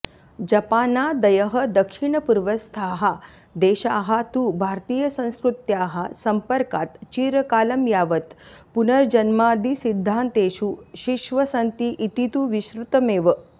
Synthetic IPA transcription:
d͡ʒɐpaːnad̪ɐjəɦə̆d̪ɐkʂiɳəpuɾʋəst̪ʰaːɦa | d̪eːʃaːɦat̪ubʱaːɾt̪iːjɐsɐ̃w̃skɾut̪jaːɦasɐmpəɾkaːt̪t͡ʃiːɾəkaːlɐmjaːʋət̪punɐɾd͡ʒɐnmaːd̪isid̪ʱːaːnt̪eːʃuʃiʃʋɐsɐnt̪iʔit̪it̪uʋiʃɾut̪əmeːʋə

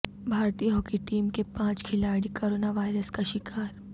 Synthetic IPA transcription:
bʱaːɾt̪ijəɦokiʈiːmkepãːt͡ʃkʰɪlaːɽikoːɾoːnaʋaːjɾəskaʃɪkaːɾ

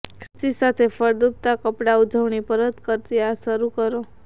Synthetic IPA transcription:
kʰɾɪt̪isat̪ʰefəɾd̪up̚t̪akəpɽaud͡ʒʱəʋɳipəɾət̪kəɾt̪iaʃəɾukəɾo

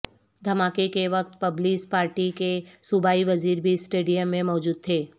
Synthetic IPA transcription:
d̪ʱɐmaːkekeʋɐk̚t̪̚pɐbliːspaːɾʈikesʊbʱaːiʋɐziːɾbʱisʈeːɖijəmːẽmɔːd͡ʒuːd̪̚t̪ʰeː

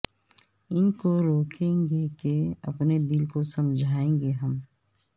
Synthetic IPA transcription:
ɪnkoɾoːkʰẽːŋɡekeɐ̰pned̪ɪlkosɐmd͡ʒʱaːẽːŋɡeɦɐm

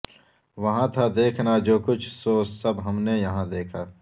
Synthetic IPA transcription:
ʋɐɦãt̪ʰad̪eːkʰnad͡ʒoːkʊt͡ʃʰsoːssɐbɦɐmnejɐɦãd̪eːkʰaː

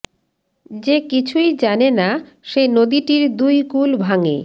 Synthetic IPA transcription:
d͡ʑekit͡ɕʰujd͡ʑanena | ʃenod̪iʈiɾd̪ujkulbʱaŋḛ

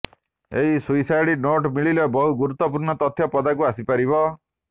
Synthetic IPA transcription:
eɦisujsajɽinoʈmiɭilɔbɔɦuɡuɾut̪ːɔp̬uɾnɔt̪ɔt̪ʰːjɔpɔd̪akuasipaɾiβɔ

